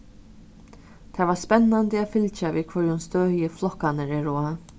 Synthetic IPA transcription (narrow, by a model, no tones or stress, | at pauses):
t̪ʰaːvaspɛnːand̪ɪaːfɪlt͡ʃaviːðkʰvœɹjʊnst̪øːjɪflɔhkanəɾɛɹoːa